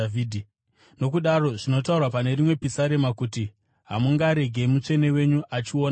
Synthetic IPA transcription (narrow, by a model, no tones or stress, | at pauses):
viːdʱi | no̞kuɗaro̞ʐino̞t̬aurwapane̞ɾimwe̞pisaɾe̞makuti | ɦamuŋɡaɾe̞ɡʱe̞mut͡ʂe̞ne̞we̞ɲuʔat͡ʃio̞ːna